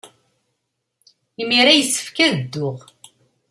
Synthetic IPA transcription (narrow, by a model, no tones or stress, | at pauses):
imiɾæjəsːə̥fkæðəd̪ːʊʁ